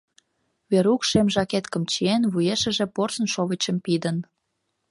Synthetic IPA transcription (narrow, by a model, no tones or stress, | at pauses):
βeɾukʃemʒɑket̪kə̆mt͡ɕienβujeʃə̆ʒĕporsənʃoβət͡ɕəmpid̪ən